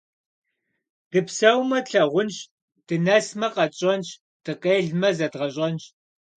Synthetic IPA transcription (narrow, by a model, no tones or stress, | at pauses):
d̥ɨpsɐwmɐtɬɐʁʷʊnɕ | d̥ɨnɐsmɐqɐt͡ʃʼɐnɕ | d̥ɨqeːɮmɐzɐdʁɐɕʼɐnɕ